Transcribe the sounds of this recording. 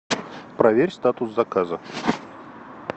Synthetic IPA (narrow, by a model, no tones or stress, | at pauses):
pɾɐvʲeɾʲst̪at̪ʊszɐkazə